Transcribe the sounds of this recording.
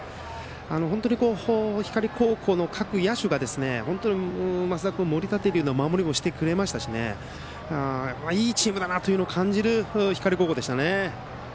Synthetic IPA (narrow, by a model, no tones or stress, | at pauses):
anoɦont̪o̞ɲ̟iko̞ːhoçi̥kaɾʲiko̞ːkʰo̞ːno̞kʰakɯ̟jaɕɨɡad̪e̞sɨne̞̰hõ̞nt̪oɲ̟imasɨd̪akɯomo̞ɾʲit̪at̪ːeɾɯɯ̟nomamo̞ɾʲimoɕi̥t̪e̞kɯ̟ɾe̞maɕi̥t̪aɕine̞̰ | apːaiːt͡ɕiːmɯ̟d̪anat̪o̞jɯ̟nookʰãɲ̟d͡ʑiɾɯ̟çi̥kaɾʲiko̞ːkoːd̪e̞ɕit̪ane̞